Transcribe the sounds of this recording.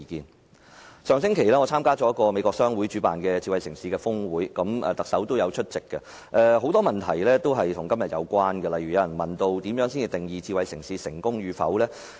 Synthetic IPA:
kiː˨˧n | sœː˨˧ŋsɪ˥ŋkʰe˨˩jlɛː˥ŋɔː˨˧t͡sʰaː˥mkaː˥t͡sɔː˨˥jɐ˥kɔː˧me˨˧kɔː˧ksœː˥ŋwu˨˥jt͡ʃyː˨˥pa̰ː˨nkɛː˧t͡siː˧wɐ˨jsɪ˨˩ŋsiː˨˧kɛː˧fʊ˥ŋwuː˨˥jkɐ˨˥mɛ̰ː˨t̪ɐ˨ksɐ˨˥wt̪o˥wjɐ˨˧wt͡ʃʰɵ˥t̚t͡sɪ˨kːɛ˧ | ʔɛ˨˧ɦo˨˥wt̪ɔː˥mɐ˨nt̪ʰɐ˨˩jlɛː˥t̪o˥wɦɐ˨jt̪ʰʊ˨˩ŋkɐ˥mjɐ˨t̚jɐ̰˨˧wkʷaː˥nɡɛ˧lɐ˨jy˨˩jɐ˨˧wjɐ˨˩nmɐ˨nt̪o˧wt̪iː˨˥mjœː˨˥ŋsiː˥ni˨˧t̪ɪ˨ŋjiː˨˧t͡siː˧wɐ˨˧jsɪ˨˩ŋsiː˨˧sɪ̰˨˩ŋkʊ˥ŋɥyː˨˧fɐ̰˨˥wlɛː˥

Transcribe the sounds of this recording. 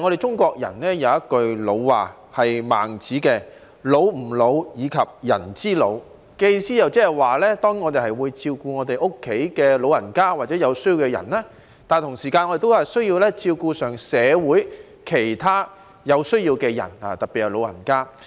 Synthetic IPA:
ŋɔː˨˧ɾe˨jt͡ʃʊ˥ŋkʷɔː˧k̚jɐ̰˨˩nlɛː˥jɐ˨˧wjɐ˥t̚kɵ˧ɥlo˨˧wwaː˨˩ | hɐ˨jma̰ː˨˩ŋt͡siː˨˥kɛː˧ | lo˨˧wm̩˨˩lo˨˧wjiː˨˧kʰɐ˨p̚jɐ̰˨˩nt͡siː˥lo̰˨˧w | kɛe˧ji˧siː˥jɐ˨˧wt͡sɛː˥hɐ˨jwaː˨˩lɛː˥t̪ɔː˥ŋŋɔː˨˧t̪e˨jhɐ˨jwuː˨˧jt͡siː˧wkuː˧ŋɔ˨˧t̪e˨jʔʊ˥kʰːe˨˥jkɛː˧lo˨˧wɐ˨˩nkaː˥waː˨t̚t͡sɛ˨˥jɐ˨˧wsɵ˥ɥji˧wkɛ˧jɐ̰˨˩nlɛː˥ | t̪aː˨nt̪ʰʊ˨˩ŋsiː˨˩kaː˧nʔɔ˧de˨˩t̪o˥whɐ˨jsɵ˥ɥji˧wlɛː˥t͡siː˧wkuː˧sœː˨˩ŋsɛː˨˧wuː˨˥j | kʰe˨˩jt̪ʰaː˥ | jɐ˨˧wsɵ˥ɥjiː˧wkɛː˧jɐ̰˨˩na̰ː˨˩t̪ɐ˨˩pːi˨˩hjɐ˨˩lo˨˧wɐ̰˨˩nkaː˥

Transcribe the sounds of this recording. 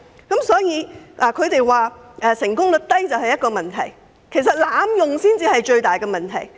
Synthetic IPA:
kɐ˨˥msɔː˨˥jiː˨˧ʔaː˨˩kʰɵ˨˧ɥt̪e˨jwaː˨ʔɛː˨˧sɪ˨˩ŋkʊ˥ŋlɵ˨t̚t̪ɐ˥jt͡sɐ˨whɐ˨jtkɔː˧mɐ˨nt̪ʰɐ˨˩j | kʰe˨˩js̬ɐ˨t̚laː˨˥mjʊ˨ŋsiː˥nt͡siː˧hɐ˨jt͡ʃɵ˧ɥt̪aː˨˩jkɛː˧mɐ˨˩nt̪ʰɐ˨˩j

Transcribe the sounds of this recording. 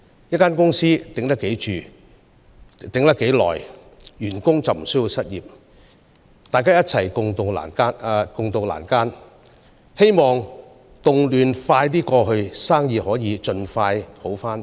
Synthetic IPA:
jɐ˥t̚kaː˥nkʊ˥ŋsiː˥t̪ɪ˨˥ŋt̪ɐ˥kːe˨˥jt͡ʃyː˨ | t̪ɪ˨˥ŋt̪ɐ˥kːe˨˥jlɔ̰ː˨˩j | jyː˨˩nkʊ˥ŋt͡sɐ˨wm̩˨˩sɵ˥ji˧wsɐ˥t̚jiː˨p̚ | t̪aː˨jkaː˥jɐ˥t̚t͡sʰɐ˨˩jkʊ˨ŋt̪ʊ˨ŋla̰ː˨˩nkaː˥n˧kʊ˨ŋt̪ʊ˨ŋla̰ː˨˩nkaː˥n | he˥jmɔː˨ŋ | t̪ʊ˨ŋlyː˨nfaː˧jt̪̬iː˥kɔː˧ɦɵ˧ɥsaː˥ŋjiː˨˧hɔː˨˥jiː˨˧t͡ʃɵ˧nfaː˧jho˨˥wfaː˥n

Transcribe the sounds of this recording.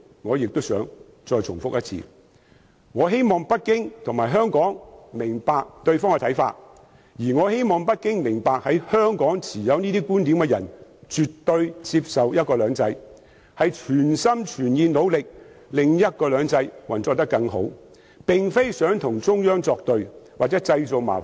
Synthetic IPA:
ŋɔː˨˧jɪ˨k̚t̪ʊ˥wsœː˨˥ŋ | t͡sɔː˧jt͡sʰʊ˨˩ŋfʊ˥k̚jɐ˥t̚t͡sʰḭː˧ | ŋɔː˨˧ɦe˥jmɔː˨ŋpɐ˥t̚kɪ˥ŋt̪ʰʊ˨˩ŋmaː˨˩jɦœː˥ŋkɔː˨˥ŋmɪ˨˩ŋpaː˧k̚t̪ɵ˧ɥfɔː˥ŋkɛ˧t̪ʰɐ˨˥jfa̰ː˧t̚ | jiː˨˩ŋɔː˨˧he˥jmɔː˨ŋpɐ˥t̚kɪ˥ŋmɪ˨˩ŋpaː˨k̚hɐ˨˥jhœː˥ŋkɔː˨˥ŋt͡sʰiː˨˩jɐ˨˧wniː˥t̪iː˥kuː˥nt̪iː˨˥mkɛ˧jɐ˨˩nt͡ʃyː˨t̪ːɵ˧ɥt͡siː˧p̚sɐ˨wjɐ˥t̚kɔː˧lœː˨˧˥ŋt͡sɐ˧˥j | hɐ˨jt͡ʃʰyː˨˩nsɐ˥mt͡ʃʰyː˨˩njiː˨˧no˨˧wlɪ˨k̚ | lɪ˨ŋjɐ˥t̚kɔː˧lœː˨˧ŋt͡sɐ˧jwɐ˨nt͡sɔ˧t̪ɐ˥kːɐ˧ŋɦo̰˨˥w | pɪ˨ŋfe˥jsœː˨˥ŋt̪ʰʊ˨˩ŋt͡sʊ˥ŋjœː˥ŋt͡sɔː˧k̚t̪ɵ˨˧ɥwaː˨k̚t͡sɛː˨˥t͡sɐ˧jt͡so˨wma̰ː˨˩

